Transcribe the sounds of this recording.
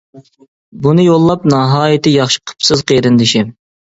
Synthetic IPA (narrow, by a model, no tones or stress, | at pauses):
bunɨjolˠːɑpnɑɦɑːjɪt̪ʰɪjɑχʃɪ̥qʰə̥psɨzqʰejɾɪnd̪ɪʃɪ